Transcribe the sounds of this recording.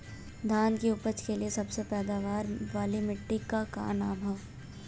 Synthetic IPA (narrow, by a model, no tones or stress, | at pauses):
d̪ʱaːnkiʊpət͡ʃkeliesɐbsepɛːd̪aːʋaːɾʋaːlimɪʈːikaka̰ːnaːmʱaː